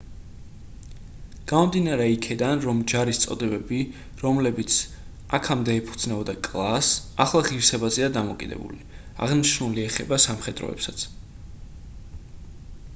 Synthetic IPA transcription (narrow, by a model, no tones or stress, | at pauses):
ɡ̥amɔmd̪inaɾɛikʰɛd̪anɾɔmd͡ʒaɾist̪sʼɔ̰d̪ɛbɛbi | ɾɔmlɛbit̪sʰ | akʰamd̪ɛːpʰu̥d̪znɛbɔd̪akʼlˠasaχlˠaʁiɾsɛbazɛad̪amɔkʼid̪ɛ̰bṵli | a̰ʁniʃnuliɛχɛbasamχɛd̪ɾɔ̰ɛ̰psat̪sʰ